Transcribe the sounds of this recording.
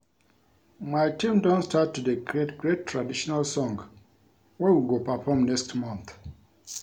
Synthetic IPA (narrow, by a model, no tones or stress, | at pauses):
majtʰĩmdɔ̃ntstatːudəɡetɡɹetʰɹadiʃɔnalsɔ̃ŋ | wɛwilɡopəfɔmnɛkstmãnθ